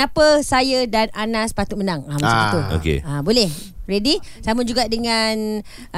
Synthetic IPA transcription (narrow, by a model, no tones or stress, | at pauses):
apəsajədananaspat̪ut̪̚mənaŋamasakit̪uo̰kḛabolɛhɾedi | samund͡ʒuɡaʔdəŋan